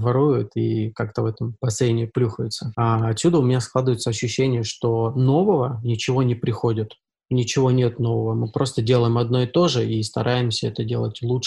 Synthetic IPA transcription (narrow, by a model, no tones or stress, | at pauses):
vɐɾujʊt̪ikakt̪əvɛt̪əmpɐsenʲɪɪplʲuxəjɪt̪səaɐt̪sʲud̪əʊmʲɪnʲasklˠad̪ɨvəɪt̪səɐɕːʉɕːenʲɪjəʂt̪o̞no̞vəvənʲɪt͡ɕɪvo̞nʲɪpɾʲɪxo̞dʲɪt̪ | nʲɪt͡ɕɪvo̞nʲet̪no̞vəvəmɨpɾo̞st̪ədʲelˠəjɪmɐd̪no̞ɪt̪o̞ʐɨist̪ɐ̰ɾʔajɪmsʲəɛt̪ədʲe̞lˠətʲlˠu